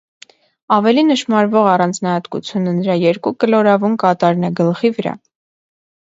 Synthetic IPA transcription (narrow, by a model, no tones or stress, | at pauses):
ɑvɛlinəʃmɑɾvɔʁɑrɑnd͡znɑhɑt̪kṵt͡sʰjunənəɾɑjɛɾkukəlɔɾɑvunkɑt̪ɑɾnɛɡəlχivəɾɑ̰